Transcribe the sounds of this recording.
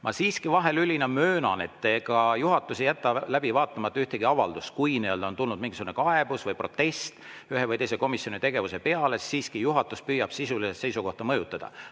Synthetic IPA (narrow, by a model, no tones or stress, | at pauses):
mʔɑsiːskivɑɦe̞lylʲinɑmøːnɑ̰ne̞t̪ːeɡ̥ɑjuɦɑt̪ˑːusijæt̪ːɑlæb̥ivɑːt̪ːˑɑmɑt̪ːɑyht̪eɡ̥iɑvɑld̪us̚kujniøld̪ɑont̪ulnud̪miŋɡisuɡunekɑeb̥usvɤjpro̞t̪ːe̞st̪yɦevɯjt̪e̞js̬eko̞misjonit̪e̞ɡe̞vuse̞pe̞ɑlesiːskijuɦɑt̪ːˑuspyːjɑb̥sisuliset̪sejsuko̞ht̪ɑmɤjut̪ːˑɑd̪̥ɑ̰